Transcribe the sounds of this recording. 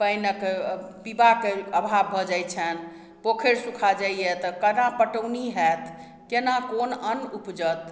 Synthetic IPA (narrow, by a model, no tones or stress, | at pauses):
pəjnəkpibakeəbʱabʱɔd͡ʒajt͡ʃʰən | pokʰeɾsukʰad͡ʒaiet̪ɔkənapəʈəwniɦɛt̪ | kenakonənupd͡ʒət̪